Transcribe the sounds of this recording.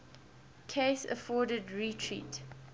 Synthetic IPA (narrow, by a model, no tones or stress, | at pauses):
kʰesə̰fɔːdədɹitʰɹḭːt